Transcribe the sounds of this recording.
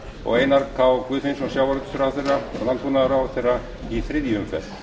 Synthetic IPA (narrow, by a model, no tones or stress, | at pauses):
ɔ̰ɣejnaɾkʰawkʰʏːðfensɔsjawaɾʏt̪ʏ̥sʏɾaθejralant̪ʰunaðɾawθejrːa | iθɾɪðjiʏmfɛ̰ɾ